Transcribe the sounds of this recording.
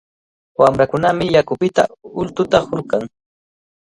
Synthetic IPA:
wamɾakʊnamɪjakʊpɪt̪a̰ʊlt̪ʊt̪ahʊɾkaŋ

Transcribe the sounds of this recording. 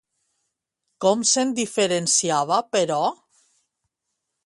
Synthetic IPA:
kɔmsend̪ifeɾensiaβ̞apeɾɔ

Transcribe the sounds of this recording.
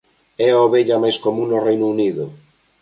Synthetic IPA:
ɛoβeʎɐmajskomũŋnorejnʊuniðʊ

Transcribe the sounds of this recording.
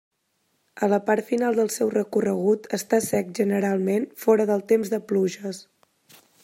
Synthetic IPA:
ələpaɾt̪finalˠd̪əlˠsɛwrəkurəɣ̞ut̪əst̪asɛk̚ʒənəɾalˠmenfɔɾəðəlˠt̪emzðəpluʒəs

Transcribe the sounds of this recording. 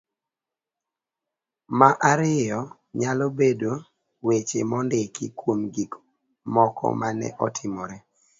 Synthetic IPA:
maʔaɾɪjɔ | ɲalobedo | wet͡ʃemɔndekḭkwomɡik | mɔkʰɔ̰manɛ̰ʔɔtʰɪmɔɾɛ

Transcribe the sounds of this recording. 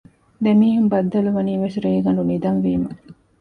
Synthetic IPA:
d̪emiːɦumbɐd̪ːɐluʋɐniːʋesɾeːɡɐnɖunid̪ɐnʋiːmɐ

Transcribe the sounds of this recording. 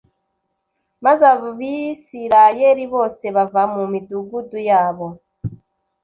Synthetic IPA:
mazaββisiɾajeɾiβo̞ːse̞βavamumiduɡudujaːβo̞

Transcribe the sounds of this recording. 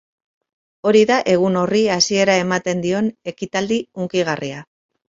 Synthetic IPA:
o̞ɾiðaʔe̞ɣ̞uno̞riasie̞ɾae̞mat̪e̞nd̪io̞ne̞kit̪ald̪iuŋkiɣ̞arʔia

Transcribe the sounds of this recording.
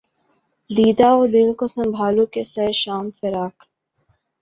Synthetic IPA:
d̪iːd̪aɔd̪ɪlkosɐ̃mbʱaːlõkesɐʃaːmfɪɾaːk

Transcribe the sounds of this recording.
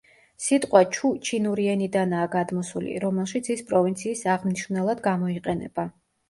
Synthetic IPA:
sit̪ʼqʼwat͡ʃʰut͡ʃʰinuɾiɛnid̪anaːɡad̪mɔsulḭɾɔmɛlˠʃit̪sʰispʼɾɔvint̪sʰiːsaʁmniʃɾnɛlˠad̪ɡamɔiqʼɛnɛ̰b̥a

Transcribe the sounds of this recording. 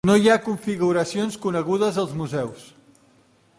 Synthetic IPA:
nojakuɱfiɣuɾəsionskunəɣuðəzəlˠzmuzɛws

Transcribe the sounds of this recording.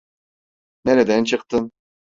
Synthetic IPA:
neɾɛd̪ænt͡ʃʰɯqt̪ɯm

